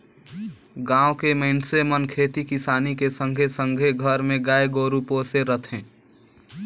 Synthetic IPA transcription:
ɡãːokemensemənkʰeːt̪ikisaːnikesə̃ŋɡʱesə̃ŋɡʱeɡʱəɾmẽɡaːeɡoɾupoːseɾət̪ʰẽː

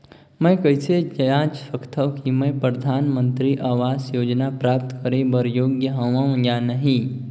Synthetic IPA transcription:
mɛ̃kəɪsed͡ʒəjãːd͡ʒfəkʰt̪ʰəʋkimẽpɾəd̪ʱaːnmə̃nt̪ɾiʔaːʋaːzjoːd͡ʒnapɾaːp̚t̪kəɾebəɾjoːɡjəɦɐʋãʋə̃janəɦĩ

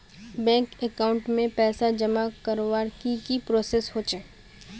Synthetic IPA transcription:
bɛ̃ːŋkekaːʊ̃ɳʈmẽpɛːsad͡ʒɐmakɐɾowaːɾkikipɾoːsesɦoːt͡ʃɛː

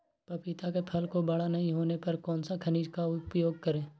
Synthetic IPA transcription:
pɐpɪt̪akepʰəlkobɐɽanɐɦĩɦoːnepɐɾkɔːnsakʰəniːd͡ʒkaʊpjoːɡ̚kəɾẽː

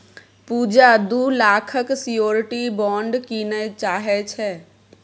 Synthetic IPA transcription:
puːd͡ʒad̪ulaːkʰəksijoːɾʈibɔ̃ːɳɖkinət͡ʃaːɦɛt͡ʃʰɛ

